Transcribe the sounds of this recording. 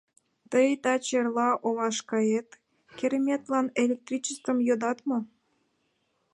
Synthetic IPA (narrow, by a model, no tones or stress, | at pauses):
t̪əjt̪ɑt͡ɕerlɑʔoβɑʃkɑet̪ | kʲeɾemʲet̪lɑnelʲek̚t̪rʲit͡ɕəst̪ə̆mjod̪ɑt̪mo